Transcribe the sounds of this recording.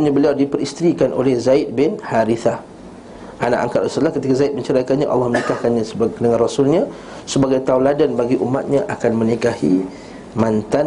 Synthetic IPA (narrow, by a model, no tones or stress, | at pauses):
ɲãbəliawdipəɾist̪əɾikanʔo̰lɛhzaɪt̪̚bɪnhaɾiθah | ʔana̰ʔa̰ŋkatsət̪əlahkət̪ikazaɪt̪̚məɲt͡ʃəɾajkanɲaʔɑ̰lːɑhmənikahkanɲãsədəŋãnrosulɲã | səbaɡajt̪auladanbaɡiʔumat̪̚ɲãʔakanmə̃nikahḭ | mãnt̪a